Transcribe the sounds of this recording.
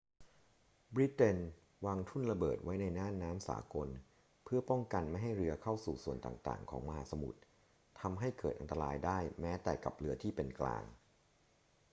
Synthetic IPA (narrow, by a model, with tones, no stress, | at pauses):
bɾi˦˥t̪e˧n | waː˧ŋt̪ʰu˥˩nɾa˧bɤː˨˩t̪̚wa˦˥jna˧jnaː˥˩nːaː˦˥msa̰ː˩˦ko˧n | pʰɯ˥˩ɐpɔ˥˩ŋka˧nma˥˩jɦa˥˩jɾɯ˧ɐkʰa˥˩wsuː˨˩su˨˩ənt̪a̰ː˨˩ŋt̪a̰ː˨˩ŋkʰɔ̰ː˩˦ŋma˧ɦaː˩˦sa˧mṵ˨˩t̪̚ʰː | a˧mɦa˥˩jkɤː˨˩t̪ʔa˧nt̪a˧ɾaː˧jdaː˥˩jmɛː˦˥t̪ɛ̰ː˨˩ka˨˩p̚ɾɯ˧ɐt̪ʰiː˥˩pe˧nkla̰ː˧ŋ